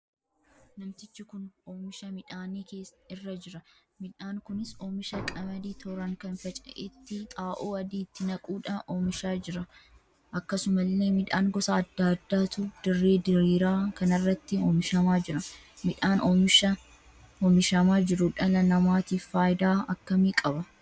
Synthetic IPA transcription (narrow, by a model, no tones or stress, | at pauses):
nɐmt̪ɪt͡ʃːɪkʊnoːmɪʃɐmɪᶑaːniːkeːɪrːɐd͡ʒɪɾɐ | mɪᶑaːŋkʊnɪsoːmɪʃɐkʼɐmɐd̪iːt̪ʰɔɾɐŋkɐnfɐt͡ʃʼɐ̰ʔet̪ːɪt̪ʼaːʔuːɐd̪iːt̪ːɪnɐkʼuːᶑɐoːmɪʃaːd͡ʒɪɾɐ | ʔɐkːɐsʊmɐlːeːmɪᶑaːŋɡɔsɐɐd̪ːaːd̪ːaːt̪ʊd̪̥ɪrːe̞ːd̪ɪɾiːɾaːkɐnɐrːɐt̪ːɪoːmɪʃɐmaːd͡ʒɪɾɐ | mɪᶑaːnʔoːmɪʃɐ | oːmɪʃɐmaːd͡ʒɪɾʊᶑɐlɐnɐmaːt̪iːffaːjɪd̪aːɐkːɐmiːkʼɐbɐ